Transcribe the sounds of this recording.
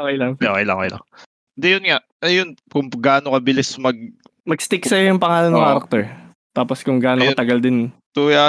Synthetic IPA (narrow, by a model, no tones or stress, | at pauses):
okɐjlɐŋʔoʔkɐjlɐ̰ŋo̰kɛjlɐ̰ŋ | d̪ɛjʊnŋaʔʔɐjonkʊŋɡaːnokɐbɪlɪsmɐɡ̚ | mɐɡst̪ɪksɐjojʊŋpɐŋaːlɐnɐŋaːɾɐk̚t̪ɛɹ | t̪aːposkʊŋɡaːnot̪ɐɡɐld̪ɪnt̪uːa